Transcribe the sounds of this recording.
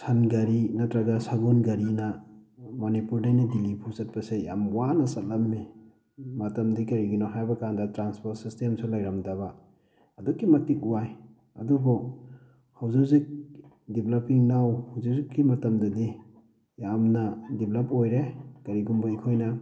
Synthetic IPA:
sanɡɐɾinɐtɾaɡasaɡunɡɐɾinɐmanipuɾdajnadilipʰusɐt̚pɐseja̰mwanɐsɐt̚lɐmni | mɐtɐmdikɐɾiɡinɔɦajbɐkandɐtɾanspoɾt̚sistemsulajɾamdɐbaː | dukːimɐtik̚uwaj | ɐduɡɔ | hawzuzik̚ | diblɐpiŋnawhawzizikːimɐtɐmdɐdi | jamnɐdiblɐpojɾekɐɾiɡumbɐikʰojnɐ

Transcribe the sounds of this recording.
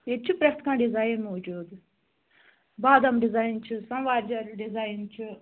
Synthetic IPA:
et͡ʃʰɨpɾɐxt̪kãːɖizaːjinmod͡ʒuːd̪ | baːd̪ɐmɖizaːjnt͡ʃʰɨsɐnʋaːɾd͡ʒɐɾɖizaːjnt͡ʃʰu

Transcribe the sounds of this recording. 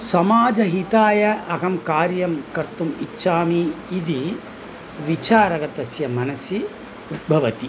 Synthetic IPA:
sɐmaːd͡ʒɐɦit̪aːjɐʔɐkɐmkaːɾjɐmkɐɾt̪umitːʃʰaːmiːd̪i | ʋit͡ʃaːɾɐɡɐt̪ɐsjɐmɐnɐsji | ud̪̚bʱɐʋɐt̪i

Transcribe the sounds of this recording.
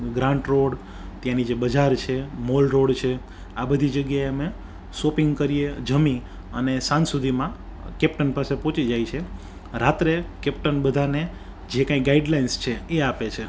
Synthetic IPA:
ɡɾãɳʈɾoɽ | t̪jãnid͡ʒebəd͡ʒaɾt͡ʃʰemolɾoɽt͡ʃʰe | abəd̪ʱid͡ʒəɡjaeame | sopiŋɡkəɾied͡ʒəmĩ | ə̰nesãnsud̪ʱimã | kɛpʈənpasepõt͡ʃid͡ʒajt͡ʃʰe | ɾat̪ɾekɛpʈənbəd̪ʱane | d͡ʒekãĩɡaiɖlainst͡ʃʰeeapet͡ʃʰe

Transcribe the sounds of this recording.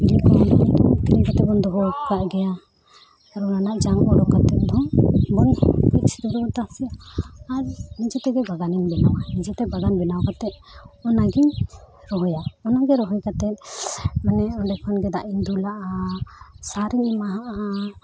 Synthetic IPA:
bilikɔt̪iɾiɲkat̪ɛbɔnd̪ɔɦɔkaʔɡɛja | aɾɔnanaʔd͡ʒaŋɔɽɔkat̪ɛt̪̚d̪ɔŋbɔnkʔt͡ʃi̥t̪uɾɔt̪asijaːɾnid͡ʒɔt̪ɛɡɛbaɡaniɲbɛnawanid͡ʒɔt̪ɛbaɡanbɛnawakat̪ɛʔ̪̚ɔnaɡiɲ | ɾɔɦɔjaɔnaɡɛɾɔɦɔjkat̪ɛt̪̚manɛɔɖɛpʰanɡɛd̪aʔiɲd̪ulaʔa | saɾiɲimaɦaʔa

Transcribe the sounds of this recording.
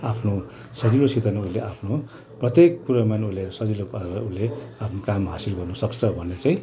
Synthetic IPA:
apʰno | sʌd͡ziɾosit̪ʌnauleʔapʰno | prʌt̪jekːuɾamanulesʌd͡zilopaɾeɾʌuleapʰnokamɦasilɡʌrnʌsʌkt͡sʰʌbʱʌnet͡saĩ

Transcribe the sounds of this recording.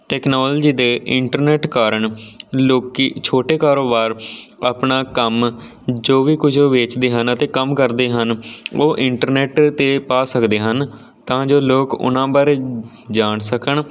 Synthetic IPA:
ʈɛːknaːlːd͡ʒiːd̪eːʔɪɳʈəɾneːʈkaːɾəɳloːkiːt͡ʃʰoːʈeːkaːɾoːbaːɾapɳaːkəm | d͡ʒoːʋiːkʊd͡ʒʰoːʋeːt͡ʃd̪eːɦənət̪eːkəmkəɾd̪eːɦənoːʔɪɳʈəɾneːʈt̪eːpaːsəkd̪eːɦən | t̪ãːd͡ʒoːloːkʊ̰nãːbaːɾeː | d͡ʒaːɳsəkəɳ

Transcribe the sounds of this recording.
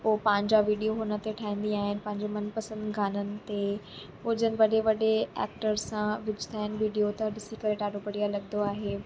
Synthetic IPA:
popɐ̃ɦɪ̃ɲd͡ʑaʋiːɖijoɦʊnə̆t̪eʈʰaːɦĩːn̆d̪iaːɦɪnɪ̆pɐ̃ɦɪ̃ɲd͡ʑemɐnpɐsə̃nd̪ɡʱaːnənɪ̆t̪e | pʊd͡ʑənɪ̆ʋɐɗeʋɐɗeɛ̰ːk̚ʈəɾsãʋɪd͡ʑʱɪ̥t̪ʰaːɦɪnɪ̆ʋiːɖijot̪ɐɗɪsikɐɾeʈaːɽopɐɽijalɐɠnd̪oaːɦeː

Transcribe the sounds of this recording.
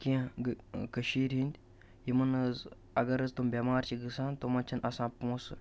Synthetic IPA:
kĩɡkəʃiːɾɦind̪ʲ | jimɐnəz | ɐɡɐɾɐzt̪umbʲɐmaːɾt͡ʃiɡɨsaːnt̪omɐnt͡ʃʰinʔɐsãːpõːsɨ̰

